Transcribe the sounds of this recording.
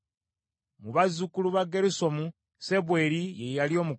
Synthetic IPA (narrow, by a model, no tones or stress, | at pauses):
muβazukuluβaɡe̞ɾiso̞mu | seβwe̞ɾijejalio̞ːmu